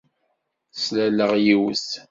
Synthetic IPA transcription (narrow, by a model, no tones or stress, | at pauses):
slæləʁjiwə̰s